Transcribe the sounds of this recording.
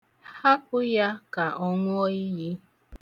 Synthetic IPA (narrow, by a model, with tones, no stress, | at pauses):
ha˦kʷʊ˦ja˦ka˨ʔɔ˦ŋʷ˦ɔ˦i˦ɦi˦